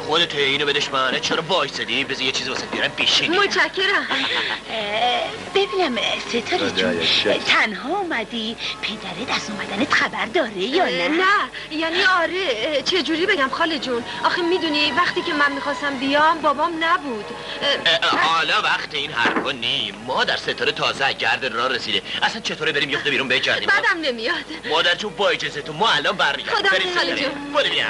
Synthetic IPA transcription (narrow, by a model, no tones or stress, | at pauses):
xod̪et̪ʰoiːnobed̪eʃbænet͡ʃʰeɾɔvɒːjsed̪ibezijet͡ʃʰiːzivɔsænbijɒɾæmbiʃinmot͡ʃʰæcʰːe̞ɾæm | b̥ebiːnæmset̪ʰɒɾ̰ | t̪ʰænɦɒːumæd̪ipʰed̪æɾed̪æst̪ɔmæd̪ænet̪xæbæɾd̪ɒːɾejɒnænæ | jæniːɒɾet͡ʃʰe̞d͡ʒuːɾiːbe̞ɟæmxɒːled͡ʒun | ʔɒxemiːd̪univæχt̪iːcʰe̞mænmixɒːst̪æmbijɒmbɒbɒmnæbuːd̪̥ | ɒlɒːvæχt̪ʰeinɦæ̰ɾfɒːnimɒːd̪æɾset̪ʰɒːɾet̪ʰɒːzeɟæɾd̪eɾɒːɾesiːd̪eʔæsænt͡ʃʰet̪ʰoɾebeɾiːmjexod̪biːɾunbeeɟæɾḭmbæːd̪æmne̞mijɒd̪̥mɒːd̪æɾt͡ʃʰunbɒːed͡ʒezet̪ʰunmɒælɒnbæɾmiɟæ̰ɾod̪ɒeɾɒled͡ʒukʰolːeiæ̰